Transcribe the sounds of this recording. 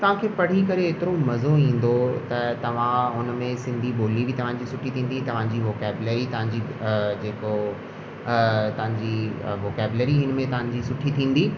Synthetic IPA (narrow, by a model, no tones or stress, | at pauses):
t̪ɐʋ̤ãkʰeːpɐɽ̤ikɐɾeet̪ɪɾomɐzoĩːn̆d̪ot̪ɐt̪ɐʋ̤ãɦʊnmẽsɪ̃nd̪ʱiɓoːlibɪt̪ɐʋ̤ãd͡ʑisʊʈʰit̪ʰĩːnd̪it̪ɐʋ̤ãd͡ʑiːʋoːkɛːbleːɾit̪ɐʋ̤ãɲd͡ʑid͡ʑeːko | t̪ɐʋãɲd͡ʑiʋoːkɛːbɪleɾiɦɪnmẽt̪ɐʋ̤ãɲd͡ʑisʊʈʰit̪ʰĩːn̆d̪iː